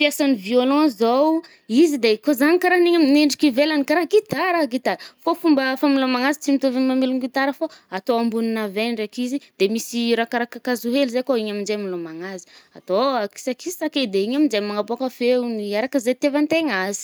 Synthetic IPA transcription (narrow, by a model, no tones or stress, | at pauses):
pjasaniviolɔ̃zow | izid̪ekozaɲikaɾaniɲamneɳɖ͡ʐikivelanikaɾaɡit̪aɾaɡit̪aɾfofumbəfamilamaŋazit͡simit̪ovimamiluŋɡit̪aɾəfoat̪oambuninavenɖ͡ʐekizid̪̥emisiɾakaɾakakazuɦelizekoiɲamind͡ʒemilomaŋazi̥at̪oaki̥sakizisaked̪eiɲamind͡ʒemaŋapoakafeniaɾakəzet̪evant̪eŋazi̥